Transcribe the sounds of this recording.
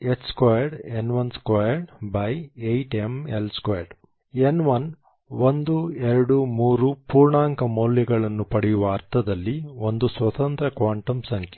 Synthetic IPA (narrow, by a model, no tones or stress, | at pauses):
et͡ʃskojɐɾɖenʋɐnskoːjɐɾɖbɐjejʈemelskɐjɐɾɖ | enʋɐn | ʋond̪ueɾɐɽumuːɾupuːɾɳaːŋkɐmoːljɐɡɐɭɐnːupɐɽijuʋɐːɾt̪ʰɐd̪ɐlːiond̪usʋɐt̪ɐnt̪ɾɐkʋaːɳʈɐmsɐŋke̥